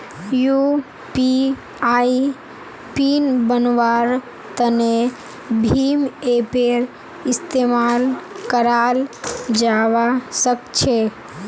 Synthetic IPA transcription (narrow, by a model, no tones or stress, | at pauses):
ju | pi | ai | pinbənʋaːɾ | t̪əne | bʱiːmepeɾ | ɪst̪eːmalkəɾaːld͡ʒaːʋasəkt͡ʃʰe